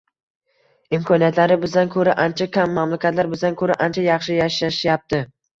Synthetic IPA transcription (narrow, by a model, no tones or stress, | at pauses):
ɪmkʰɒnijat̪ʰlaɾɪbɪzd̪ankʰɵɾaʔant͡ʃʰakʲʰamːamlakʲʰat̪laɾbɪzd̪ankʰɵɾaʔant͡ʃʰajɑχʃɪjaʃaʃjap̚t̪ʰɪ